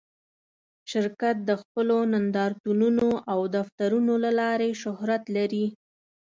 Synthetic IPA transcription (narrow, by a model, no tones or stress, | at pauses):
ʃɪɾkat̪̚d̪əxpəlonand̪ɑɾt̪ununoʔawd̪aft̪aɾunolalɑɾeʃʊhɾat̪laɾi